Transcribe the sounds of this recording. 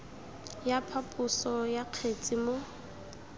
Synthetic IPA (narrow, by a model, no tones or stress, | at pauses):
japʰapʼʊsɔjaq͡χʰet͡sʼimʊ